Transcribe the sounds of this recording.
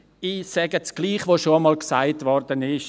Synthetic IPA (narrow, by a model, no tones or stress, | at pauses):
iːsɛɡət͡sɡ̥liːχʋoʃoəmɑlksaɪtʋɔɾdənɪʃ